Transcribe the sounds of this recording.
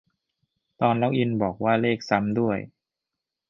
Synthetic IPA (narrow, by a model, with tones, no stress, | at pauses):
t̪ɔː˧nla˦˥˩wʔi˧nbɔː˨˩k̚waː˥˩leː˥˩k̚sa˧˦˥md̪u˥˩əj